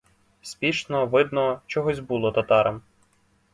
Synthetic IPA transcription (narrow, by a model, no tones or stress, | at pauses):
sʲpʲiʃnɔʋɪd̪nɔt͡ʃɔɦɔzʲbulˠɔt̪ɐt̪ɑɾɐm